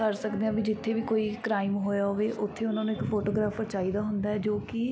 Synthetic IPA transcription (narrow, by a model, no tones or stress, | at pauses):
kəɾsəkd̪eːãːbiːd͡ʒɪt̪ʰːeːʋiːkoːiːkɾaːɪmɦoːjaːɦoʋeːʔʊt̪ʰːeːʊnãːnũːɪkpʰoːʈoːɡɾaːpʰəɾt͡ʃaːiːd̪aːɦʊnd̪aːɛːd͡ʒoːkɪ